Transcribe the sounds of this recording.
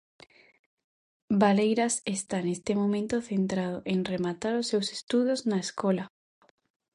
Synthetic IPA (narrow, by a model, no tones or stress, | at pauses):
balejɾasest̪anest̪emomẽnt̪oθent̪ɾaðoʔeŋremat̪aɾosːewse̥st̪uðoznaeskɔla